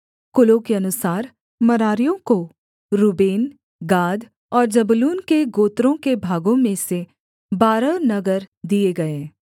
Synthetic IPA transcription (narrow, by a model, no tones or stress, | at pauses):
kʊlokeɐnʊsaːɾ | mɐɾaːɾijõko | ɾubeːn | ɡaːd̪ | ɔːɾd͡ʒɐbʊluːnkeɡoːt̪ɾõkebʱaːɡõmẽse | baːɾənɐɡəɾd̪ieɡɐẽː